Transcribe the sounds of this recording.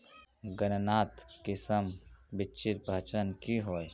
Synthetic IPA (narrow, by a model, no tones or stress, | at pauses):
ɡənnaːt̪kɪsəmbɪt͡ʃɪt̪̚bʱət͡ʃənkiɦoːj